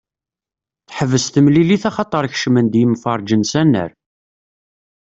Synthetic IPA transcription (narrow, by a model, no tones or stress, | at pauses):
θħəvːəst̪əmliliθɑχɑt̪ˤəɾˤç̥ʃmənd̪jəmfɑɾˤd͡ʒənsænːə̰ɾ